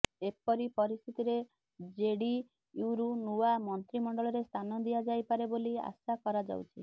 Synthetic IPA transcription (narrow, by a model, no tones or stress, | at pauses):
epɔɾipɔɾist̪ʰit̪iɾe | d͡ʒeɽi | uwɾunuwamɔnt̪ɾimɔɳɖɔɭɔɾest̪ʰanɔd̪ijad͡ʒajpaɾebolia̰sakɔɾad͡ʒa̰wt͡ʃʰi